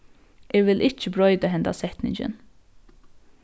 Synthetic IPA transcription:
ʔeːʋɪlʔɪt͡ʃəbɹœʏd̪əɦɛnd̪ɑ̰sɛt̪nɪ̰ŋd͡ʒə̰n

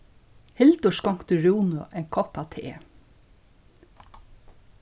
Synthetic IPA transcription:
hɪlt̪ʊʃkɔŋ̥kt̪ʉɹuːnʊʔɛŋkʰɔpat̪ʰḛː

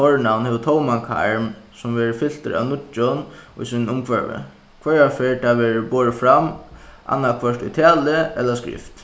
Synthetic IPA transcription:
ɔɹnawnhɛːʋət̪ʰowmankʰa̰ɹmsʊmʋɛːɹəfɪl̥t̪ə̰ɾa̰ʋnʊt͡ʃːʊnʊ̰jsiːnnʊmkʰvœɹʋɪ̰ | kʰʋɛɹafeːɹt̪ʰaʋɛːɹboːɹəfɾamʔa̰nːakʰʋœʂʈ̪ʊ̰jt̪ʰaːlɪɛllaskɾɪ̰ft̪

